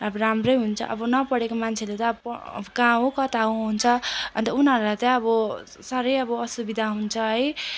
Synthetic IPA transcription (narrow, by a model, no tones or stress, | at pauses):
ʌbramrʌjɦunt͡sʰʌ̰ʔʌ̰bʌnʌpʌɽekomant͡sʰelet̪ʌpːbʌkãɦõkʌt̪aɦõɦunt͡sʰʌʌ̰nt̪ʌunɦʌɾulat̪ʌʌbʌ | saɾʌjʌbʌʌsubid̪ʱaɦunt͡sʰʌɦʌj